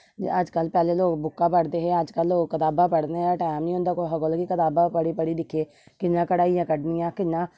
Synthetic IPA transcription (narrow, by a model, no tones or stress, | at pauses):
əd͡ʒkəlpɛːleːloːkbʊkːaːpəɽd̪eːɦɛːəd͡ʒkəlːoːkːət̪aːbaːpəɽd̪eːɦɛ̃ʈaːɪmnĩːʊ̃nd̪aːkoːɦəkəlkikət̪aːbaːpəɽiːpəɽiːd̪ɪkʰeː | kɪnːãːkəɽaːijãːkəɖnɪjãːkɪnːãː